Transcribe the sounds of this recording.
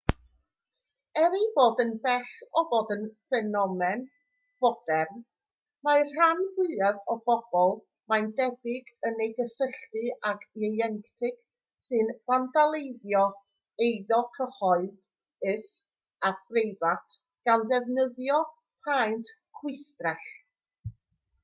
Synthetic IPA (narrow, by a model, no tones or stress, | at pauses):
ɛɾivoːdənbɛɬɔvoːdənfɛnɔmɛn | v̥ɔd̥ɛrn | mar̥anwwɨavɔb̥ɔb̥ɔlˠ | majndɛbɪɡənejɡəsəɬtɨaɡɛjɛŋktʰɪɡ̥ | sɨnv̥andalˠejðjɔ | ejðɔkʰəhɔɨð | ɪs | afrejvatʰ | ɡ̥anðɛvnəðjɔ | pʰajnt | kʰwɪstrɛɬ